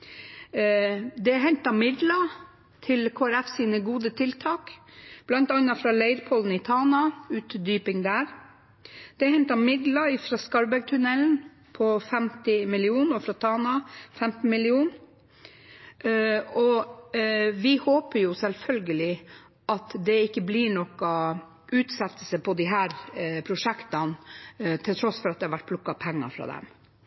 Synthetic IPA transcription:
d̪ɛɦɛnt̪ɑmɪd̪lɑ | t̪ʰɪlkʰoːæɾɛfsiːnəɡuːd̪ət̪ʰɪlt̪ʰɑːkb̥lɑnt̪ɑnːɑfɾɑleɪɾpʰɔln̩ɪt̪ʰɑːnɑʉːt̪d̪yːpɪŋd̪æːɾ | d̪̥ɛhɛnt̪ɑmɪd̪lɑɪfɾɑːskɑɾbæɡ̚t̪ʰʉnɛln̩ | pʰɔfɛmt̪ɪmɪlɪuːnɔfɾɑt̪ʰɑːnɑfɛmt̪n̩mɪlɪuːn | ɔ | ʋɪhoːpəɾjʊsɛlfœlɡəlɪ | ʔɑt̪d̪ɛɪkːəbliɳɔkɑ | ʉːt̪sɛt̪ːəl̩səpʰɔd̪ɪɦæːɾpʰɾʊʂɛkt̪ɑnt̪ʰɪlt̪ʰɾɔsːfɔɾɑt̪̚d̪ɛhɑɾʋæʈ̚pʰlʊkːɑpʰɛŋːɑ̰fɾɑ̰ːd̪ɛ̰m

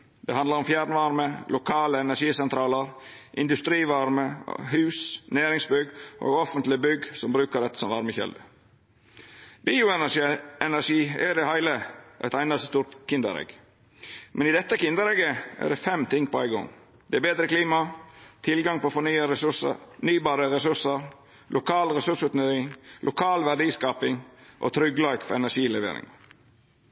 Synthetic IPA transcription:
d̪̥ɛhɑnd̪lɑɾɔmfjæːɾnəʋɑɾməlʊkʰɑːləɛnæʂiːsɛnt̪ʰɾɑːləɾʔɪ̰nd̪ʉst̪ɾiːʋɑɾmə̰ɦʉːsnæːɾɪŋsbʏɡʔo̰ːɡɔfənt̪lɪbʏɡsɔmbɾʉːkəɾɛt̪ːə̥sɔmʋɑɾməçɛ̰ld̪ə | biːʊɛnæɛnæʂiːɛd̪ɛhæɪləʔæ̰t̪æɪnɑsəst̪uːt̪kʰɪnd̪ə̰ɾɛ̰ɡ | mʔɛnɪd̪ɛt̪ːəkɪnd̪əɾɛɡəʔæ̰ɖɛfɛmt̪ʰɪŋpʰɔæɪɡɔ̰ŋ | d̪̥ɛæbeːd̪ɾəkliːmɑt̪ʰɪlɡɑŋpʰɔfɔɳyːəɾɛsʉsə̰nyːbɑːɾəɾɛsʉsəɾ | lʔʊkʰɑːlɾɛsʉʂʉːt̪nøɪŋlʔʊkʰɑːlʋæɖiːskɑːpɪŋʔo̰t̪ʰɾʏɡlɑɪkfɔɾɛnæʂiːlɛʋḛːɾɪ̰ŋ

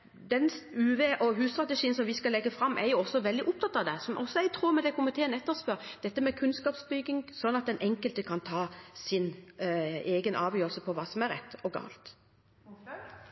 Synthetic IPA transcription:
d̪ɛnʉːʋeːʔɔɦʉːst̪ɾɑt̪əʂiːənsɔmʋɪskɑlɛɡːəfɾɑmːʔɛɾjʊɔsːɔʋɛld̪ɪʔʊp̚t̪ʰɑt̪ːɑʋd̪ɛsɔmʔɔsːɔɛɪɡt̪ʰɾuːɾmɛd̪ɛkʰɔmət̪ʰeːnɛt̪ːəspœɾd̪̥ɛt̪ːəmɛkʰʉnskɑːpsbʏɡɪŋsɔnːɑt̪̚d̪ɛnʔɛŋkəlt̪əkʰɑnt̪ʰɑːsɪn | eːɡənʔɑːʋjøːɾlsəpʰɔʋɑːsɔmæɾɛ̰t̪ːɔɡɑ̰ːlt̪

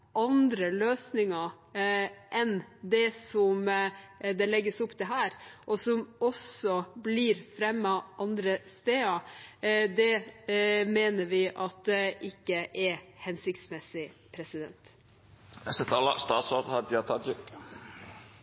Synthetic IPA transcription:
ʔɑnd̪ɾəløːsnɪŋɑ | ʔɛnd̪ɛsɔm | d̪ɛlɛɡːəsɔpːd̪ɛɦæːɾʔɔsɔmɔsɔbliɾfɾɛmːɑʔɑnd̪ɾəst̪eːɑ | d̪ɛ | meːnəɾʋɪʔɑt̪̚d̪ɛʔɪkːəʔɛhɛnsɪkt̪smɛsɪpʰɾɛsɪd̪ɛ̰nt̪ | ɛsɛt̪ɑlːɑ̰st̪ɑːt̪sod̪hɑd̪ɑt̪ʰɑd̪ə

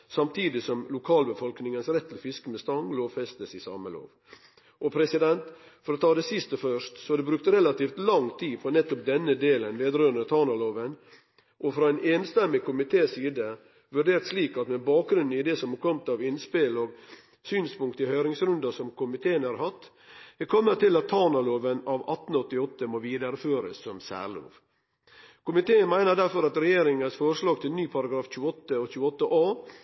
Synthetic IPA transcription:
sɑmt̪ʰiːd̪ɪsɔmlʊkʰɑːlbəfɔlknɪŋənsɾɛt̪ːɪlfɪskəmɛst̪ɑŋloːʋfɛst̪nəsɪsɑ̰ːməlo̰ːʋ | ʔɔpʰɾɛsɪd̪ɛnt̪ | fɔɾɔt̪ʰɑːd̪ɛsɪst̪əfœʂt̪sɔɑd̪ɛbɾʉːk̚t̪ɾɛlɑt̪iːft̪lɑŋt̪ʰiːfɾɑnɛt̪ːɔp̚d̪ɛnːəd̪eːlənʋeːd̪ɾøːnət̪ʰɑːnɑloːʋən | ʔɔfɾɑɛneːnst̪ɛmːɪkʊmɪt̪ʰeːsiːd̪ə | ʋʉɖeːɾt̪sliːkɑt̪mɛbɑːk̚ɡɾʉnn̩ɪd̪ɛsɔmɑkʰɔmt̪ɑʋɪnspɪloːɡ | syːnspʊŋk̚t̪ɪhœʏɾɪŋsɾʉnd̪ɑsɔmkʊmɪt̪ʰeːənɑɾhɑt̪ː | ɛkʰɔmːət̪ʰːɪlɑt̪ʰːɑnɑloːʋənɑʋɑt̪n̩ɔt̪ːɪɔt̪ːəmoːʋiːd̪əɾføːɾə̰sːɔmsæ̰ːɾɭo̰ːʋ | kʊmɪt̪ʰeːənmæɪnəɖ̪æɾfɔɾɑt̪ɾɛjeːɾɪŋənsfɔɾʂlɑːɡ̚t̪ʰɪlnyːpʰɑɾɑɡɾɑːfc͡çʉːəɔt̪ːəɔçʉːəɔt̪ːəʔɑː

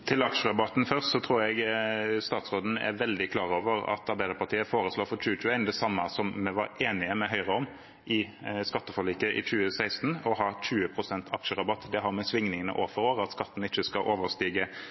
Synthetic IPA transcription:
t̪ʰɪlɑkʃəɾɑbɑt̪n̩fœʁst̪sɔt̪ʰɾuːɾjɛɡst̪ɑːt̪sʁoːd̪n̩ɛ̰ʋɛld̪ɪkʰlɑːʁoːʋəɾɑ̰t̪ɑɾbæɪd̪əɾpɑʁt̪ʰiːəfoːɾəsloːfɔɾc͡çʉːət͡ʃʉːəæɪnd̪ɛsɑmːəsɔmːɛʋɑ̰ɾeːnɪəmɛɦœʏʁəɔm | ʔɪskɑt̪ːəfɔɭiːkəʔɪ̰t͡ʃʉːəsæɪst̪nɔɦɑːc͡çʉːəpʰʁʊsɛnt̪ʰɑkʃəʁɑbɑt̪ːd̪ɛɦɑɾmɛsʋɪŋnɪŋənə̰ʔoːfɔɾoːʁəɑt̪skɑt̪ːn̩ɪt͡ʃːəskɑʔoːʋəɾst̪iːɡə

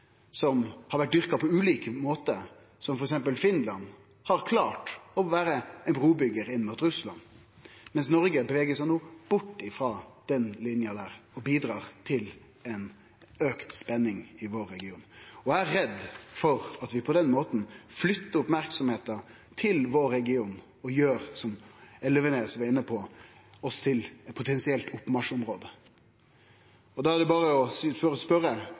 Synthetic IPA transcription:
sɔmhɑɾʋæʈ̚d̪ʏʁkɑpʰɔʉːliːkəmoːt̪ə | sɔmfɔɾɛksɛmpəlfɪnlɑn | hɑɾkʰlɑːʈɔʋæːɾəɛnbɾuːbʏɡəɾɪnːmuːt̪ɾʉslɑ̰n | mɛnsnɔɾɡəbəʋeːɡəsɛɪnoːb̥ʊʈːɪfɾɑd̪̥ɛnlɪnjɑd̪æːɾɔbiːd̪ɾɑːɾt̪ʰɪl | ɛn | øːkt̪spɛnːɪŋɪʋoːɾːɛɡɪuːnɔæɾːɛd̪fɔɾɑt̪ʋɪpʰɔd̪ɛnmoːt̪n̩flʏt̪ːəɾʊpmæɾksɔmheːt̪ɑ | t̪ʰɪlʋoɾːɛɡɪuːn | ɔjøːɾsɔmɛləʋənɛsɔmɛɪnːəpʰɔ | ɔst̪ʰɪlpʰʊt̪ʰɛnsɪɛlt̪ʊpːmɑʂʊmɾoːd̪ə | ɔd̪ɑæd̪ɛbɑːɾəɔsføɾəspœɾə

